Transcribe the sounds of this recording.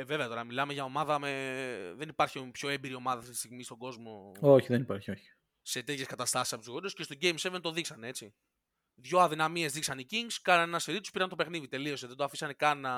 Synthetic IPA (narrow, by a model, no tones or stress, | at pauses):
eve̞veɐt̪o̞ɾɐmilɐme̞ʝɐo̞mɐðɐmeðe̞nipɐɾçipço̞embiɾio̞mɐðɐft̪it̪ist̪iɣmist̪oɡo̞zmo̞oçiðenipaɾçio̞çi̥ | set̪et̪çe̞skɐt̪ɐst̪ɐsisɐpot̪ziɣo̞ɾiosce̞st̪o̞ɟejmse̞vent̪o̞ðiksɐneet͡si | ðʝo̞ɐðinamie̞zðiksɐniciŋɡskɐnɐnenɐseɾit̪uspiɾɐnt̪o̞pe̞xniðit̪e̞lio̞seðe̞nd̪oɐfisɐne̞kɐnɐ